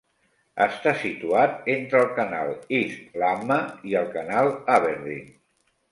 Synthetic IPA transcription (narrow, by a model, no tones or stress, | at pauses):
əst̪asit̪uat̪ent̪ɾəːlˠkənalˠislaməiəlˠkənalˠaβeɾðḭ